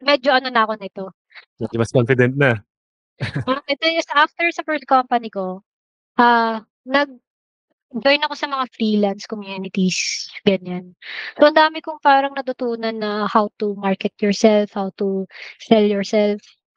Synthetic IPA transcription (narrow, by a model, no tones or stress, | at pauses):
mɛd͡ʒoʔɐnonɐɐko̞nɐʔɪt̪o̞ | mɛd͡ʒomɐskonfɪd̪ɛnt̪̚nɐ | oʔɛt̪ojɐsʔaft̪ɛɹsɐfɛɹst̪̚kompɐniko̞ | ʔaː | nɐɡ̚ | d͡ʒojnɐko̞sɐmɐŋafɾiːlanskomjuːnɪt̪isɡɐɲansoʔɐnd̪aːmɪkʊŋpaːɾɐŋnɐt̪ʊt̪uːnɐnːɐhawt̪umaɹkɛt̪̚jɔɹsɛlfhawt̪ʊsɛljɔɹsɛlf